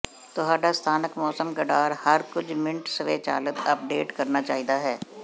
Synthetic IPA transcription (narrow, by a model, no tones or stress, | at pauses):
t̪oɦaːɖast̪ʰaːnəkmɔːsəmɡɐɖaːɾhɐɾkʊd͡ʒʰmɪ̃ɳʈsəʋeːt͡ʃa̰ːlət̪ɐp̚ɖeːʈkɐɾnat͡ʃaːɦid̪aɦɛː